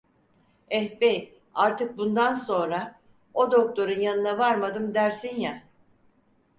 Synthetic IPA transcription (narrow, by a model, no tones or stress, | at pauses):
ɛhbej | aɾt̪ʰɯk̚bund̪anso̞nɾa | od̪o̞k̚t̪ʰo̞ɾunjanɯnavaɾmad̪ɯmd̪æɾsinja